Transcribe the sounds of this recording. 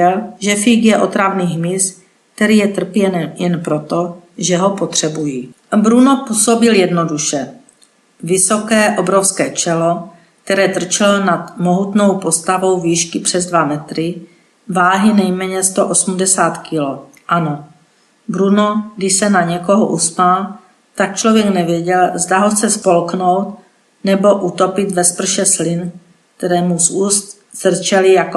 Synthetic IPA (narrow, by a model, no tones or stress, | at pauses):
ɛlʒɛfiɡjɛʔo̞t̪ɾavniːɦmɪs | k̚t̪ɛɾiːjɛt̪r̩pjɛnjɛnpɾo̞t̪o̞ʒɛɦopot̪r̝̥ɛbujiː | bɾunopuso̞bɪljɛdno̞duʃɛ | vɪsokɛːʔo̞bɾofskɛːt͡ʃɛlo | k̚t̪ɛɾɛːt̪r̩t͡ʃɛlonat̪mo̞ɦut̪no̞wpo̞st̪avo̞wviːʃkɪpr̝̥ɛzdvamɛt̪ɾɪ | vaːɦɪnɛjmɛːɲɛst̪oʔosumdɛsaːt̪kʰɪlo | ʔano | bɾunoɡdɪʃsɛnaɲɛko̞ɦo̰ʔuspal | t̪ak̚t͡ʃlovjɛknɛvjɛɟɛlzdaɦoxt͡sɛspo̞lknowt̪̚ | nɛbo̞ʔut̪o̞pɪt̪vɛspr̩ʃɛslɪn | kk̚t̪ɛɾɛːmusuːst̪ | zr̩t͡ʃɛlɪjako